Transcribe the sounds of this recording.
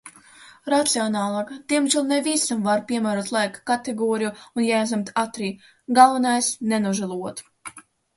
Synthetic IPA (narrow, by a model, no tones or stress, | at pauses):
ɾat̪siɔnɑːlˠɑːkd̪̥ʲiɛmʒilˠnɛvisamvaɾpʲiɛmæːɾuɔt̪lˠajkḁkat̪eɡɔːɾijuunjajzʲɛmt̪at̪ɾiː | ɡalˠvanajsnɛnuʒɛlˠuɔt̪